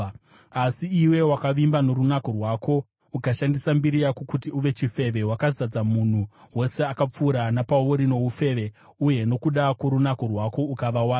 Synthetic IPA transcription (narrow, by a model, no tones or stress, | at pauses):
asiːwe̞wakaʋimbano̞ɾunako̞rwako̞ | ukaʃandisambiɾijakokut̬iuʋe̞t͡ʃife̞ʋe̞wakazad͡zamun̤uwo̞se̞akap͡fuːɾanapawoɾino̞ufe̞ːʋe̞ | uje̞no̞kuɗakwoɾunakorwako̞ukaʋawaː